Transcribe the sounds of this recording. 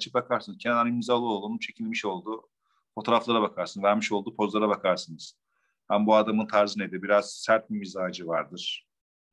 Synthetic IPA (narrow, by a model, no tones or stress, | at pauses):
t͡ʃʰi̥bakʰaɾsɯnɯzcʰɛnd̪animizalˠɯo̞lˠd̪unupt͡ʃʰe̞cʰilʲmiʃo̞lˠd̪u | fo̞t̪ʰoɾaflˠaɾabakʰaɾsɯnzvæɾmiʃo̞lˠd̪upʰo̞zlˠaɾaβakʰaɾsɯnɯz̥ | hæmbuad̪amɯnt̪ʰaɾzɯned̪ibiɾaz̥sæɾt̪̚bimizaːd͡ʒɯvaɾd̪ɯɾ̥